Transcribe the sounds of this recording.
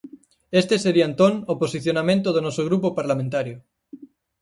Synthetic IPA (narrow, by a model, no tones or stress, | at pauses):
est̪eseɾiant̪onoposiθjonamẽnt̪oð̞onosoɣ̞ɾupopaɾlamẽnt̪aɾjo